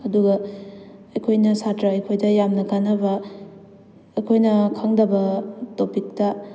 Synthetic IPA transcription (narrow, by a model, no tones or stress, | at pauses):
ɐduɡɐ | ɐjkʰojnɐsatɾɐɐjkʰojdɐjamnɐɡʰanɐbɐ | ɐjkʰojnɐkʰaŋdɐbɐtopik̚tɐ